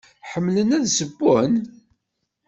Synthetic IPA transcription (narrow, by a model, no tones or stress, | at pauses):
ħəmːlənæðsəbːʊn